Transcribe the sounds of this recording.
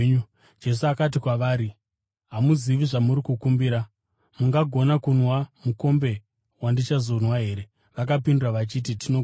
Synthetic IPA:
d͡ʒe̞suakat̬ikwaʋaːɾi | ɦamuziʋiʐamuɾikukumbiɾa | muŋɡaɡʱo̞nakunwamuko̞mbe̞ | wandit͡ʃazo̞nwaɦe̞ɾe̞ | ʋak̬apinduraʋat͡ʃit̬itʰino

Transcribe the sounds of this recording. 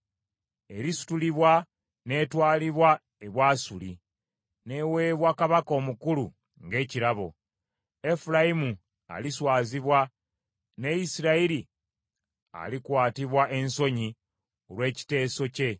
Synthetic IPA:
e̞ɾisu̥tuliβwa | ne̞twaːliβwa | e̞βwaːsuli | ne̞we̞ːβwakaβako̞ːmukulu | ŋɡe̞ːciɾaβo̞̰ | e̞fulaimu | a̰liswaːziβwa | ne̞isiɾaiɾi | a̰likwaːtiβwaʔe̞nso̞ɲi | olwe̞ːci̥te̞ːso̞ce̞

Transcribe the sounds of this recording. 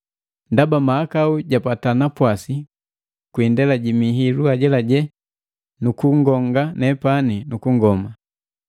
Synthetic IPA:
ndabamaakauɟapatanapwasi | kwindɛlaɟimiɦiluaɟɛlaɟɛ | nukuŋɡɔŋɡanɛpaninukuŋɡɔma

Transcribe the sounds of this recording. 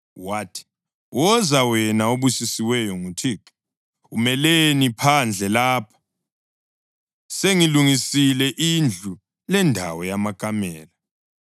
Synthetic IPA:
waːtʰi̥ | wʔɔzawɛnaoβusisiwɛjɔŋutʰik | umɛlenipʰand͡ɮʱɛlaːpʰḁ | seŋiluŋisilɛʔind͡ɮʱu | lɛndʱa̰wɔjamakʰʼamɛːla

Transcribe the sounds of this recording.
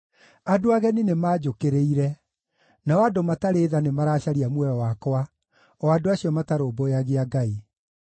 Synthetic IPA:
adoaɣɛninemaːd͡ʒokeɾeiɾɛ | naɔadomataɾeːðanemaɾaːɕaɾiamwɛɾɔwakwa | ɔadoaɕiɔmataɾoːboaɣeaɡai

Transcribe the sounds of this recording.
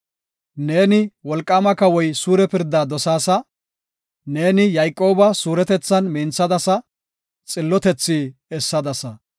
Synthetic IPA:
ne̞ːnɪwɔlkʼːaːmɐkɐwɔjsuːɾɛpɪɾd̪ːaːd̪ɔsaːsɐ | ne̞ːnɪjɐjkʼːo̞ːbɐsuːɾɛt̪ɛt͡sːɐnmiːnt͡sːɐd̪ɐsɐ | t͡sʼɪlːɔt̪ɛt͡sːiːɛsːɐd̪ɐsɐ

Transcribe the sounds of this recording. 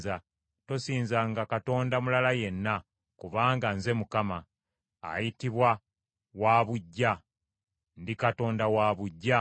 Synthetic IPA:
za | to̞siːnzaŋɡakato̞ːndamulalaje̞nːa | kuβaːŋɡanze̞mukama̰ː | jitiβwa | waːβuɟːa | ndikato̞ːndawaːβuɟːa

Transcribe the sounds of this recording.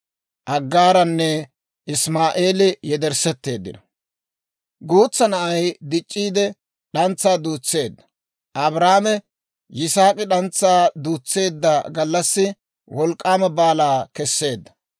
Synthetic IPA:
ʔɐɡːaːɾɐnːɛ | ʔɪsmaːʔe̞ːlɪjɛd̪ɛɾsɛt̪ːe̞ːd̪ːɪ̰nɐ | ɡuːt͡sːɐnɐʔɐjd̪ɪt͡ʃʼːiːd̪ɛ | ɗɐnt͡sːaːd̪uːt͡sːe̞ːd̪ːɐ̥ | ʔɐbɾaːmɛ | jɪsaːkʼɪɗɐnt͡sːaːd̪uːt͡sːe̞ːd̪ːaɡɐlːɐsːɪ | wɔlkʼːaːmɐbaːlaːkɛsːe̞ːd̪ːɐ̥

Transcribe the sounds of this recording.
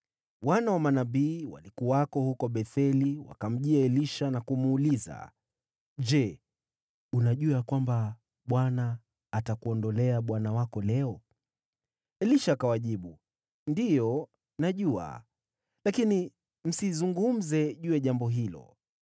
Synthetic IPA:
wanawamanaɓiːwa̰likuakɔhukɔɓɛθɛliwa̰kam̩ʄiaɛliʃanakumːliza̰ | d͡ʒɛ | unaʄuakwamba | ɓwanaː | takuɔndɔlɛaɓwanawakɔlɛɔ | ɛliʃaːkawaʄiɓu | ndijɔ | naʄua̰ | lakini | m̩sizuŋɡum̩zɛʄujɛʄambɔɦilɔ̰

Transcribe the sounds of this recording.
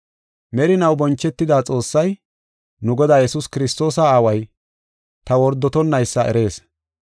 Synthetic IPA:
mɛɾɪnɐwbɔnt͡ʃːɛt̪ːɪd̪aːt͡sʼo̞ːsːɐj | nʊɡɔd̪aːjɛsuskɪɾɪst̪o̞ːsɐaːwɐj | t̪ɐwɔɾd̪ːɔt̪ɔnːɐjsːɐʔɛ̰ɾe̞ːs

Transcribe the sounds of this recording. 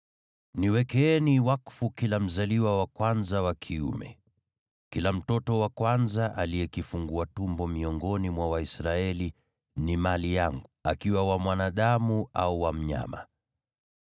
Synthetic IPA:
niwɛkɛɛniwakfukilam̩zaliwawakwanzawakʰiṵmɛ̰ | kilam̩tɔtɔwakwanzaʔalijɛkifuŋɡuatumbɔmiɔŋɡɔnimwawaisɾaɛli | nimalijaŋɡua̰kiwawamwanaɗamuauwam̩ɲa̰ma̰

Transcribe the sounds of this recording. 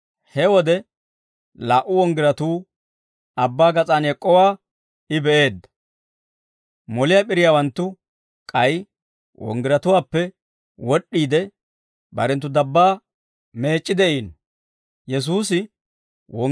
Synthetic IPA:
hɛwɔd̪ɛ | laːʔʊɔŋɡɪɾɐt̪uː | ɐbːaːɡɐt͡sʼaːnɛkʼːɔwaː | ɪbɛʔe̞ːd̪ːɐ̥ | mɔlɪjaːpʼɪɾɪjaːwɐnt̪ːʊ | kʼɐj | wʔɔ̰ŋɡɪɾɐt̪ʊwaːpːɛ | wɔɗːiːd̪ɛ | bɐ̰ɾɛnt̪ːʊd̪ɐbːaː | me̞ːt͡ʃʼːɪd̪ɛʔiːnɔ | jɛs̬uːsɪ | wɔ

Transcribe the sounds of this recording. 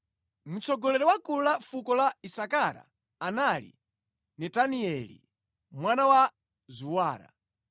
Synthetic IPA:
mut͡sʰɔɡɔlɛɾɛwakulafukɔlaisakaɾa̰ː | nalḭ | nɛtaniɛlḭ | mwanawa | zuwaːɾa̰

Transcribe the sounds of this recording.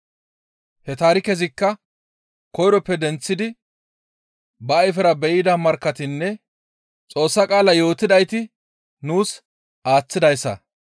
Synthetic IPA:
hɛt̪aːɾɪkɛzɪkːɐ | kɔjɾɔpːɛd̪ɛnt͡sːɪd̪ɪ | bɐːjfɛɾɐbɛʔɪd̪ɐmɐɾkːɐt̪ɪnːɛ | t͡sʼo̞ːsːɐkʼaːlɐjo̞ːt̪ɪd̪ɐjt̪ɪ | nuːs | aːt͡sːɪd̪ɐjsːɐ̰

